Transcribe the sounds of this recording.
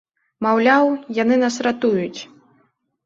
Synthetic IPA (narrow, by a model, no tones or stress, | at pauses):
mawlʲawjanɨnasrat̪ujut͡sʲ